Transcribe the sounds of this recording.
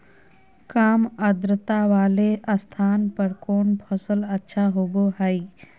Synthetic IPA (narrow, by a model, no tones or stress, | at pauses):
kaːməd̪ɾət̪aʋaːleʔəst̪ʰaːnpəɾkoːnpʰəsələtːʃʰaɦoboɦai